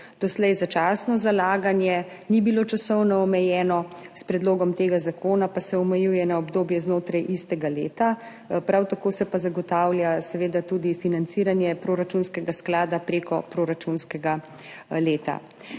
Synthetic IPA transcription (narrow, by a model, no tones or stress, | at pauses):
d̪̥ɔslɛjzat͡ʃaːsnɔzalaːɡanjɛ | nibilot͡ʃasɔwnɔɔmɛjɛːnɔspɾɛd̪loːɡɔmt̪eːɡazakoːnapasɛɔmɛjuːjɛnaɔbd̪oːbjɛznoːt̪ɾajʔist̪ɛɡaleːt̪a | pɾawt̪akoːsɛpazaɡɔt̪aːwljasɛʋeːd̪at̪uːd̪ifinant̪siːɾanjɛpɾoɾat͡ʃunskɛɡasklaːd̪apɾeːkɔpɾoɾat͡ʃunskɛɡa | leːt̪a̰